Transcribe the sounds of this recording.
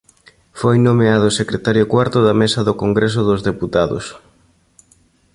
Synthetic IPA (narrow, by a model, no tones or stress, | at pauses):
fojnomeaðʊsekɾet̪aɾjʊkwaɾt̪ʊðɐmesɐðʊkoŋɡɾes̬ʊðʊzðeput̪aðʊ̰s